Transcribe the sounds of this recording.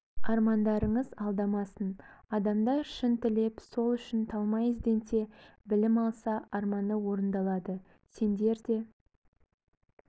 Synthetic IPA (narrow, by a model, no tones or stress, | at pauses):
ɑɾmɑnd̪ɑɾəɴəzɑlˠd̪ɑmɑsənɑd̪ɑmd̪ɑɾʃənt̪ɪle̞pso̞lˠʏʃɪnt̪ʰɑlˠmɑjɪzd̪e̞nt̪e̞bɪlɪmɑlˠsɑʔɑɾmɑnəwo̞ɾənd̪ɑlˠɑd̪ə | se̞nd̪e̞ɾd̪e̞